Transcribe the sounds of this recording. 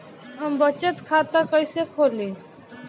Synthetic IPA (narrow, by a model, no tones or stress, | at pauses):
ɦəmbət͡ʃət̪kʰaːt̪əkəisekʰoːɾlĩː